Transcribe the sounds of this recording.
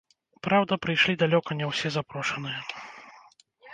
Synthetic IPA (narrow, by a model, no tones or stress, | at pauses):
pɾawd̪ɐpɾɨjʂlʲid̪alʲɔkɐnʲɛwsʲɛzapɾɔʂɐnɨjɐ